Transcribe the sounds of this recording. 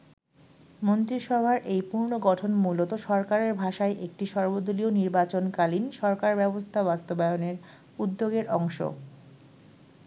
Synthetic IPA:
mont̪ɾiʃɔbʱaɾʔejpuɾnoɡɔʈʰonmulot̪oʃɔɾkaɾeɾbʱaʃaeʔek̚ʈiʃɔɾbod̪ulioniɾbat͡ɕonkalinʃɔɾkaɾbɛbost̪ʰabast̪obaeoneɾ | ud̪ːoɡeɾɔŋʃo̰

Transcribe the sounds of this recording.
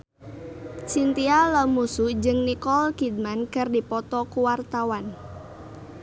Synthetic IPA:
t͡ʃint̪ialəmusud͡ʒɨŋnikɔlkid̪̚mankərdipɔt̪ɔkuwart̪awan

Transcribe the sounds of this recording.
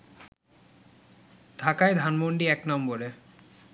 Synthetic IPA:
d̪ʱakaed̪ʱanmoɳɖiɛknɔmboɾe

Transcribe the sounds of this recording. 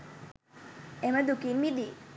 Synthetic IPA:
eməd̪ukinmid̪i

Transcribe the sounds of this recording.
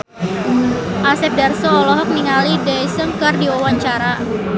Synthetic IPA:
ʔasɛp̚darsɔːlɔɦɔk̚niŋalidajsəŋkərdiwɔwaɲt͡ʃaɾa

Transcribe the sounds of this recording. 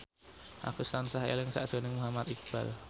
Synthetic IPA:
ʔa̰kusansahḛlɪŋsa̰ʔʒ̥onɪŋmuɦamat̪ik̚b̥a̰l

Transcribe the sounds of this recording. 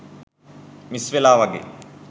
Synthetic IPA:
misʋelaːʋɐɡḛː

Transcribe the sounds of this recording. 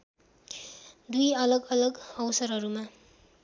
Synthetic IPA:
d̪ujʌlʌɡʌlʌɡʌwsʌɾɦʌɾuma

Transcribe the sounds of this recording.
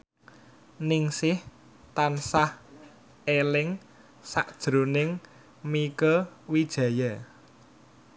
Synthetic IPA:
nɪŋsɪh | t̪ansah | elɪŋ | sa̰ʔd̥ʒ̥ɾo̤nɪŋ | mikəwid̥ʒ̥a̤ja

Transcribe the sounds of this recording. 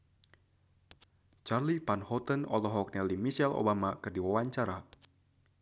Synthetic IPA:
t͡ʃarlipanhɔt̪ənɔ̰lɔɦɔk̚nɛlimisɛlo̰bamakɨrdiwawaɲt͡ʃaɾa

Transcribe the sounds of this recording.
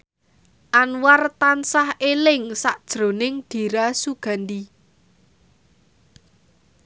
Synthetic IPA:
ʔanwart̪ansahelɪŋsaʔd̥ʒ̥ɾo̤nɪŋd̪̥i̤ɾasuɡ̥a̤ndi

